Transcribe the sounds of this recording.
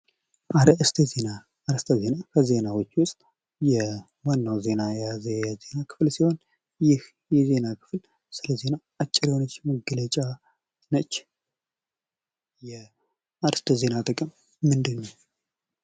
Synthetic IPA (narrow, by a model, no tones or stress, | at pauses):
ʔaɾəʔst̪ʰzena | aɾəst̪ʰəze̞nakʰəze̞nawo̞t͡ʃːwʊst̪ʼ | jɛ | wanːawze̞najazejɛze̞nakʰɨ̥flsiho̞n | jɪh | jɛze̞nakʰɨ̥fl | sɨləze̞na | at͡ʃʼːɪɾiho̞nət͡ʃːməɡələt͡ʃʼa | nət͡ʃː | jɛ | aɾst̪ʰəze̞nat̪ʼəkʼɨmː | ɨnd̪ɨnːəw